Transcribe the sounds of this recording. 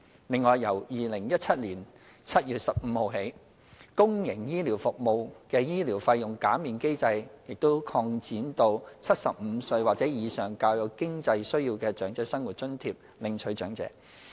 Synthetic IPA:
lɪ˨˧ŋːɔː˨˧jːɐ˨˩wjiː˨˩lɪ˨˩ŋjɐ˥t̚t͡sʰɐ˥t̚liː˨˩n | t͡sʰɐ˥t̚jyː˨t̚sɐ˨p̚m̩˨˧ho˨˩wɦe˨˥j | kʊ˥ŋjɪ˨˩ŋjiː˥liː˨˩wfʊ˨k̚mo˨wkɛː˧jiː˥liː˨˩wfɐ˧jːʊ˨˩ŋkaː˨˥miː˨˩nke˥jt͡sɐ˧jjɪ˨k̚t̪o˥wkʰɔː˧ŋt͡siː˨˥nt̪o˧wt͡sʰɐ˥t̚sɐ̰˨p̚m̩˨˧sɵ˧ɥwaː˨˩k̚t͡sɛː˨˥jiː˨˧sœː˨ŋkaː˧wjɐ˨˧wkɪ˥ŋt͡sɐ˧jsɵ˥ɥjiː˧wkɛː˧t͡ʃœː˨˥ŋt͡sɛː˨˥sɐ˥ŋwu˨˩t̚t͡ʃɵ˥nt̪ʰiː˧p̚ | lɪ˨ŋt͡ʃʰɵ˨˥ɥt͡ʃœː˨˥ŋt͡sɛ̰ː˨˧˥

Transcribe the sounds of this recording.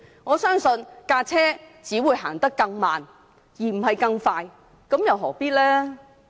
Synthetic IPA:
ŋɔː˨˧sœː˥ŋsɵ˧nkaː˧t͡sʰɛː˥t͡siː˨˥wuː˨˧jɦaː˨˩nt̪ɐ˥kːɐ˧ŋmaː˨n | jiː˨˩m̩˨˩hɐ˨jkɐ˧ŋfaː˧j | kɐ˨˥mjɐ˨˧wɦɔ̰ː˨˩piː˥t̚lɛː˥

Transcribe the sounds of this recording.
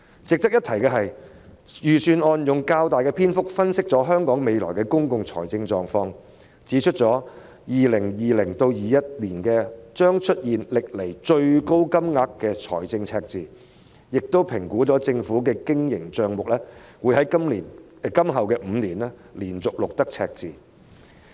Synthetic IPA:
t͡sɪ˨k̚t̪ɐ˥k̚jɐ˥t̪ʰɐ˨˩jkɛː˧ɦɐ˨j | jyː˨˩syː˨nɔː˧njʊ˨ŋkaː˧wt̪aː˨jkɛː˧pʰiː˥nfʊ˥k̚fɐ˥nsɪ˥k̚t͡sɔː˨˥ɦœː˥ŋkɔː˨˥ŋme˨˧jlɔ̰ː˨˩jkɛː˧kʊ˥ŋkʊ˧ŋt͡ʃʰɔ̰ː˨˩jt͡sɪ˧ŋt͡ʃɔː˨˩ŋfɔː˧ŋ | t͡siː˨˥t͡ʃʰɵ˥t̚t͡ʃɔː˨˥ | jiː˨lɪ˨˩ŋjiː˨lɪ˨˩ŋt̪o˧wjiː˨jɐ˥t̚liː˨˩nkɛː˧t͡ʃœː˥ŋt͡ʃʰɵ˥t̚jiː˨nlɪ˨k̚le˨˩jt͡ʃɵ˧ɥko˥wkɐ˥mŋaː˧kːɛː˧t͡ʃʰɔ̰ː˨˩jt͡sɪ˧ŋt͡sʰɛː˧k̚t͡siː˨ | jɪ˨k̚t̪o˥wpʰɪ˨˩ŋkuː˨˥t͡sɔː˨˥t͡sɪ˧ŋfuː˨˥k̬ɛː˧kɪ˥ŋjɪ˨˩ŋt͡ʃœː˧ŋmʊ˨k̚lɛː˥wuː˨˧jhɦɐ˨˦jkɐ˥mliː˨˩n | kɐ˥mɦɐ˨wkɛː˧m̩ː˨˧niː˨˩nɛ˥ | liː˨˩nt͡sʊ˨k̚lʊ˨k̚t̪ɐ˥k̚t͡sʰɛ̰ː˧k̚t͡siː˨˩

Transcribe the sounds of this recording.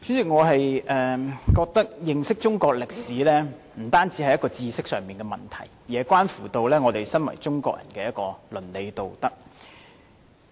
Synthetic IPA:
t͡ʃy˨˥y˨ŋɔː˨˧ɦɐ˨jʔɛː˨kɔː˧k̚t̪ɐ˥k̚jɪ˨ŋsɪ˥k̚t͡ʃʊ˥ŋkɔː˧k̚lɪ˨k̚siː˨˥lɛː˥ | m̩˨˩t̪aː˥nt͡si˨˥ɐ˨jɐ˥tkɔː˧t͡siː˧sɪ˥k̚sœː˨˩ŋmiː˨nkɛː˧mɐ˨nt̪ʰɐ̰˨˩jjɛː˨˧kʷaː˥nfuː˨˩t̪o˧wlɛː˥ŋɔː˨˧t̪e˨˩jsɐ˥nwɐ̰˨˩jt͡sʊ˥ŋkɔː˧k̚jʔɐ̰˨˩nkɛː˧jɐ˥t̚kɔː˧lɵ˨˩nle˨˧jt̪o˨wt̪ɐ˥k̚

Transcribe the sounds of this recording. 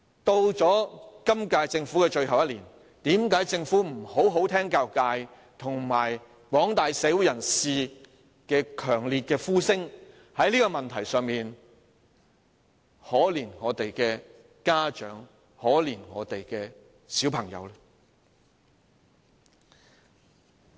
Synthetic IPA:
t̪o˧wt͡sɔː˨˥kɐ˥mkaː˧jt͡sɪ˧ŋfuː˨˥kɛ˧t͡ʃɵ˧ɥɦɐ˨wjɐ˥t̚liː˨˩n | t̪iː˨˥mkaː˨˥jt͡sɪ˧ŋfuː˨˥m̩˨˩ho˨˥wɦo˨˥wt̪ʰɛː˥ŋkaː˧wkaː˧j | t̪ʰʊ˨˩ŋmaː˨˩j | wɔː˨˥ŋt̪aː˨jsɛː˨˥wu˨˥jɐ˨˩nsiː˨˧ | kɛː˧kʰœː˨˩ŋliː˨t̚kɛː˧fuː˥sɪ˥ŋ | hɐ˨˥jliː˥kɔ˧mɐ˨nt̪ʰɐ˨˩jsœː˨˧ŋmiː˨n | hɔː˨˥liː˨˩nŋɔː˨˧t̪e˨jkɛː˧ | kaː˥t͡ʃœ̰ː˨˥ŋ | hɔː˨˥liː˨˩nŋɔ̰ː˨˧t̪e˨jkɛː˧ | siː˨˥wpʰɐ˨˩ŋjɐ̰˨˧wlɛ

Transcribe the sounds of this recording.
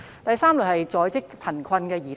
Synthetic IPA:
t̪ɐ˨jsaː˥mlʊ˨˩hɐ˨jt͡sɔː˨˧jt͡sɪ˥k̚pʰɐ˨˩nkʰwɐ˧nkɛː˧jiː˨˩t̪

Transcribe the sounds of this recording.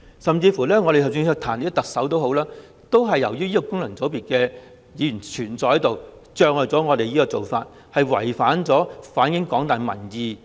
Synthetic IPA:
sɐ˨mt͡siː˧fuː˨˩lɛː˥ŋɔː˨˧e˨t̪ʰwsy˧ŋsʰœː˧kt̪ʰaː˨˩ni˨˥t̪ɐ˨k̚sɐ˨˥wt̪o˥wɦo˨˥wlaː˥ | t̪o˥wɦɐ˨jːɐ˨˩wjyː˥jiː˥ko˨˧kʊ˥ŋlɐ˨˩ŋt͡so˨˥wpiː˨t̚kɛː˧ | jiː˨˧jy˨˩nt͡ʃʰyː˨˩nt͡sɔː˨˧khɐ˨˥jt̪o˨wt͡ʃœː˧kŋlɔː˨jt͡sɔː˨˥ŋɔː˨˧t̪e˨jiː˥kɔː˧t͡so˨wfa̰ː˧t̚ | hɐ˨jwɐ̰˨˩jfaː˨˥nt͡sɔː˨˥faː˨˥nkɪ˨˥ŋkɔː˨˥ŋt̪aː˨nmɐ̰˨˩njiː˨˧

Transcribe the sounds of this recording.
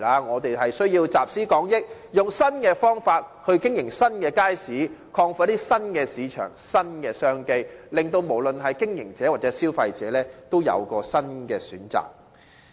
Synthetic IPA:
aː˨˧ŋɔː˨˧t̪e˨jɦɐ˨jsɵ˥ɥjiː˧wt͡saː˨p̚siː˥kɔː˨˥ŋjɪ˥k̚ | jʊ˨˩ŋsɐ˥nkɛː˧fɔː˥ŋfaː˧t̚hɵ˧ɥkɪ˥ŋjɪ˨˩ŋsɐ˥nkɛː˧kaː˥jsiː˨˥kʰɔː˧ŋft̪iː˥sɐ˥nkɛː˧siː˨˧t͡ʃʰœ̰ː˨˩ŋsɐ˥nkɛː˧sœː˥ŋke˧jlɪ˨ŋt̪o˧wmo˨˩wlɵ˨nɦɐ˨jkɪ˥ŋjɪ˨˩ŋt͡sɛː˨˥waː˨t̚t͡sɛ˨˥siː˥wfɐ˧jt͡sɛ̰ː˨˥lɛː˥t̪o˥wjɐ̰˨˧wkɔː˧sɐ˥nkɛː˧syː˨˥nt͡sa̰ː˨k̚

